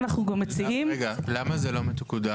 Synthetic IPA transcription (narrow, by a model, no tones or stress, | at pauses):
naχnuɡamːet͡siʔimɡalamazelomet̪kud̪a